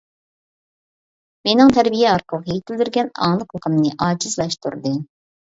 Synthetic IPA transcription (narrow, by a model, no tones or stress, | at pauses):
menɪŋt̪ʰɛɾbijɛɑɾqʰəlˠəhejt̪ʰɪld̪yɾɡʲɛnɑ̰ŋlˠəqəqʰəmnɨʔɑːd͡ʒizlˠɑʃt̪ṵɾd̪ɨ